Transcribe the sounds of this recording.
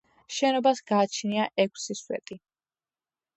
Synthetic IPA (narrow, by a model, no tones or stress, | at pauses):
ʃɛnɔbasɡaːt͡ʃʰniaʔɛkʰʷʼsiswɛ̰t̪ʼi